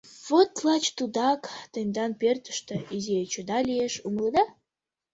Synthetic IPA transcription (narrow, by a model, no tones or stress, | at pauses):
vot̪lɑt͡ɕt̪ud̪ɑkt̪enʲd̪ɑnpert̪ə̥̆ʃt̪əiziet͡ɕud̪ɑlʲieʃumlˠəd̪ɑ